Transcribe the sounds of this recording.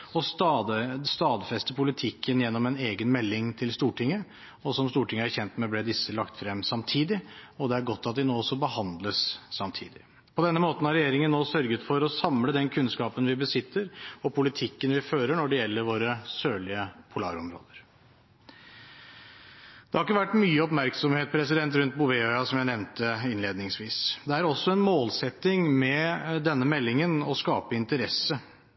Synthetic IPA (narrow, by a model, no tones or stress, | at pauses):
ɔst̪ɑd̪st̪ɑːd̪fɛst̪əpʰʊlɪt̪ʰɪkːənjɛnːɔmɛneːɡənmɛlːɪŋt̪ʰɪlst̪uːʈɪŋːə | ɔsɔmst̪uːʈɪŋːəæɾçɛnt̪mɛblɛd̪ɪsəlɑkt̪fɾɛmːsɑmt̪ʰiːd̪ɪɔd̪ɛæɾɡɔt̪ːɑt̪̚d̪ɪnoːɔsːɔbəhɑnd̪ləsːɑmt̪ʰḭːd̪ɪ | pʰɔd̪ɛnːəmoːt̪n̩hɑɾɛjeːɾɪŋənːoːsœɾɡət̪fɔɾɔsɑmləd̪ɛnkʰʉnskɑːpənʋɪbəsɪt̪ʰːəɾɔpʰʊlɪt̪ʰɪkːənʋɪføːɾəɳɔɖɛjɛlːəɾʋoːɾəsøːɭɪəpʰʊlɑ̰ːɾɔmɾo̰ːd̪əɾ | d̪̥ɛhɑɾɪk̬ːəʋæʈːmyːəɔpmæɾksɔmheːt̪̚pʰɾɛs̬ɪd̪ɛnt̪ɾʉnt̪̚bʊʋɛœʏɑsɔmjæɪnɛʋnt̪əɪnleːd̪nɪŋsʋiːsd̪ɛæɾɔsːɔɛnmoːlsɛt̪ːɪŋmɛd̪ɛnːəmɛlːɪŋənɔskɑːpəɪnt̪əɾɛsə